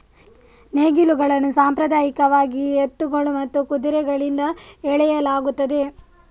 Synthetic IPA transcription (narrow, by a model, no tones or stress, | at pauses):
neːɡiluɡɐɭɐnːusaːmpɾɐd̪aːjikɐʋaːɡiet̪ːuɡɐɭumɐt̪ːukud̪iɾɛɡɐɭind̪ɐɛɭɛjɐlaːɡut̪ːɐd̪e̞